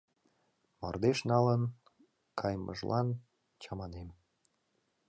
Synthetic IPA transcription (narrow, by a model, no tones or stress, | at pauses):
mo̰rd̪eʃnɑlən | kʰɑjmʔə̰ʒlʔɑn | t͡ɕɑmɑnem